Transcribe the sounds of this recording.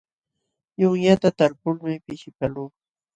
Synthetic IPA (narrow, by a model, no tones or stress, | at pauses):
jʊŋjat̪at̪aɾpʊlmɪpɪʃɪpaluː